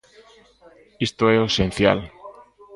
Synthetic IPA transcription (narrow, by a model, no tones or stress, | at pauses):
ist̪oɛosẽnθja̰l